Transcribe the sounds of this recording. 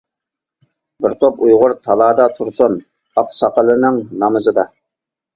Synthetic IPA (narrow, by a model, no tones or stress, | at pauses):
bɪɾt̪ʰopujʁʊɾt̪ʰɑlˠɑːd̪ɑt̪ʰuɾsun | ɑqsɑqəlˠɨnɪŋnɑmɨzɨd̪ɑ